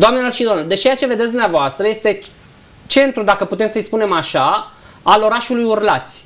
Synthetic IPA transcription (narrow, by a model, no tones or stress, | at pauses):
d̪oamneloʃid̪omnod̪et͡ʃejat͡ʃe̞ve̞d̪et̪d̪uneavoast̪ɾəje̞st̪e̞ | t͡ʃe̞nt̪ɾud̪akəput̪e̞msəjspune̞maʃa | alo̞ɾaʃulujurlat̪sʲ